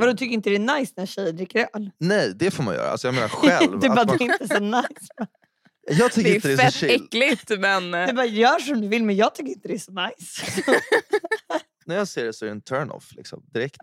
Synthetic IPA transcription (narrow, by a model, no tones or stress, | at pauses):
vad̪ɔt̪ʏkːəɾɪnt̪əd̪ɛːnajsnæɕɛjːəd̪ɾɪkːəɾœlnɛjd̪ɛfoːɾma̰njœ̰ːɾa̰a̰sɔjɑɡmeːna̰ɾɧɛ̰ldvɵbɑːad̪ɪnt̪əɛsɔnajjsmɛn | jɑːɡt̪ʰʏkːɾɪt̪ədɛɪɛkːlɪt̪mɛnd̪ɛbɑːjœːʂɔmd̪ɵvɪlmɛnjɑːɡ̚t̪ʰʏkːɾɪnt̪əd̪ɛæsɔnajs | næɾjɑːseːɖɛsɔɛɾɖɛnt̪ʰœɾɳɔ̰flɪ̰ksɔ̰md̪ɪɾɛkt̪